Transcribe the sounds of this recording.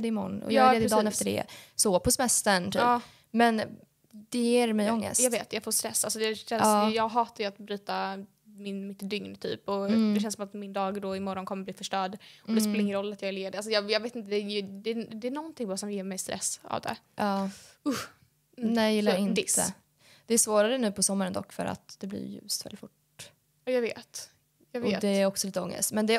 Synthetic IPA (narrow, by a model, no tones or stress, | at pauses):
d̪ɛmɔ̰nɔ̰jɑeːd̪d̪ɑːnɛft̪əɖɛ̰sɔpʰɔsɛmɛst̪ənt̪ʰyː | mɛn | d̪̥ɛjeːɾmɛjɔŋːə̰stjɑːɡveːt̪jɑːɡfoːst̪ɾɛsːalsɔd̪ɛʃɛnɑsːjɑːɡɦɑːt̪ajʉat̪bɾyːt̪a | mɪnmɪt̪d̪ʏŋnt̪ʰy̰ːpɔd̪ɛʃɛnsɔmat̪mɪnd̪ɑːɡd̪ɔɪmɔɾɔnkʰɔmːəbliːfœʂʈœːɖɔd̪ɛspeːlaɾɪŋːənɾɔlːat̪jɑːvɪljeːd̪ɛals̬ɔjɑːjɑːɡveːt̪ɪnt̪əd̪ɛd̪ɛːd̪ɛːɳɔnt̪ʰɪŋbɑɾsɔmjeːɾmɛjst̪ɾʔɛ̰sa̰vd̪ɛ̰ | ʔɑːʊh | nɛjɪlːɪnd̪ɪə̰ | d̪̥ɛæsvoːɾaɾənʉ̟ːpʰɔsɔmːaɾənd̪ɔ̰kːfœ̰ɾa̰t̪d̪ɛblɪ̰jʉ̰ːst̪vɛlɪt̪fʈ | ɑjɑːɡvḛːt̪ | jɑːɡveːt̪ɛæɾɔksɔliːt̪əɔ̰ŋːə̰st̪mɛnd̪ɛ